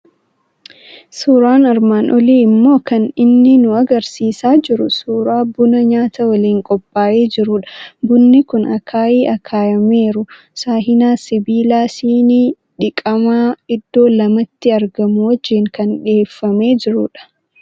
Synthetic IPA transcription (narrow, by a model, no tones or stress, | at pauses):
suːɾaːnɐɾmaːnʔɔliːɪmːo̞ːkɐnɪnːɪnʊɐɡɐɾsiːsaːd͡ʒɪɾʊsuːɾaːbʊnɐɲaːt̪ɐwɐliːŋkʼɔpʼːaːʔeːd͡ʒɪɾʊᶑɐ̥bʊnːɪkʊnɐkʰaːʔiːʔɐkʰaːjɐme̞ːɾʊ | saːɦɪnaːsɪbiːlaːsiːni | ᶑɪkʼɐmaːɪd̪ːo̞ːlɐmɐt̪ːɪɐɾɡɐmʊwɐd͡ʒːɪŋkɐnᶑeːfːɐme̞ːd͡ʒɪɾʊ̰ᶑɐ̥